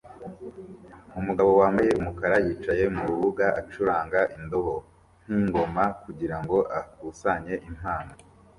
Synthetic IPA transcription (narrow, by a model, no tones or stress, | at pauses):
umuɡaβo̞waːmbaje̞umukaɾajiːt͡ʃaje̞muɾuβuɡaʔat͡ʃuɾaːŋɡaʔindoɦo | n̥hiːŋɡo̞makuɟiɾaŋɡo̞ʔakusaɲe̞ʔim̥haːno